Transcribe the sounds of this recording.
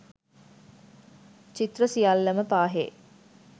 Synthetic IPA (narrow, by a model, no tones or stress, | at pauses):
t͡ʃit̪rəsijalːəməpaːɦḛ